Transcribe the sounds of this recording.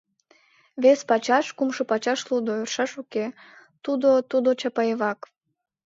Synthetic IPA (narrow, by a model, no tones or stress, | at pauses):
βespɑt͡ɕɑʃkumʃopɑt͡ɕɑʃlud̪oørʃɑʃuke | t̪ud̪ot̪ud̪ot͡ɕɑpɑeβɑk